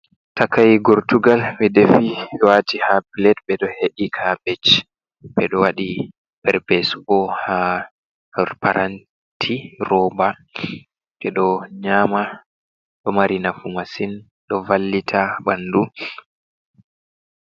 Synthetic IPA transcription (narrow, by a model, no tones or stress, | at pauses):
takajɡɔɾtuɡalmidefiwatihapilɛt̚bɛɗɔheɗikʰabɛt͡ʃ | ɓɛɗɔwaɗi | pɛɾpɛsubɔha | paɾʔan | tʰiɾɔba | ɓɛɗɔɲama | ɗɔmaɾinafumasin | ɗɔvalːitʰabandu